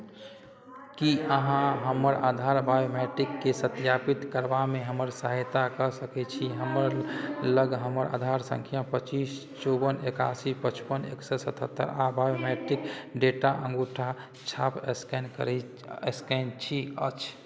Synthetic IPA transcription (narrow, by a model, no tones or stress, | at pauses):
kiʔəɦãɦəməɾad̪ʱaɾbajomɛʈikːesət̪japit̪kəɾbamẽɦəməɾsəɦjt̪akəsəkɛt͡ʃʰiɦəməɾləɡɦəməɾʔa̰d̪ʱaɾsə̰̃ŋkʰijapət͡ʃis | t͡ʃɔbəneka̰sipət͡ʃpənḛksɛsət̪ʰət̪ːə̰ɾabajomɛʈikɖeʈaʔə̃ŋɡuʈʰa | t͡ʃʰapsknkɾ | eskɛnt͡ʃʰiə̰t͡ʃʰ